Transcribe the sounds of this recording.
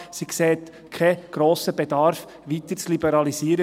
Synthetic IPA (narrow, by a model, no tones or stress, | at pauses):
sikseːt̪ | kʰɛɡ̥ɾoːsəb̥edɑɾf | ʋit̪əɾt͡slibəɾɑlisiːɾə